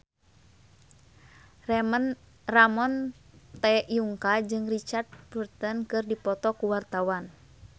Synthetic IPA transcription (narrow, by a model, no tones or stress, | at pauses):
rɛən | ramɔnt̪ɛjuŋkad͡ʒɨŋrit͡ʃart̪̚burt̪ənkɨrdipɔt̪ɔkuwart̪awan